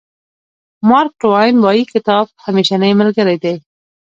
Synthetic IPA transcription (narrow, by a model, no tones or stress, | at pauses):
mɑɾk̚ʈwajnwɑjikɪt̪ɑb̚hameʃanəjməlɡəɾed̪e